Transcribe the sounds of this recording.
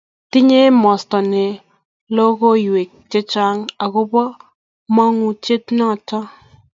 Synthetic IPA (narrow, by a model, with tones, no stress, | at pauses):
ti˦ɲe˦mɔ˨stɔ˨ne˨ | lo˦ko˦jwe˨k̚t͡ʃe˦t͡ʃa˦ŋa˨kʊ˦bɔ˦ | ma˦ŋu˨t͡ʃe˦tnɔ˦˨tɔ˦